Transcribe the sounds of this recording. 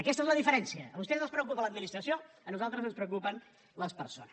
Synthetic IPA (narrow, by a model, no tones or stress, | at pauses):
əkɛst̪əezləðifəɾɛnsiəːβust̪enonspɾəukupələd̪minist̪ɾəsio | ənuzalˠt̪ɾəzənspɾəwkupən | ləspəɾso̰nə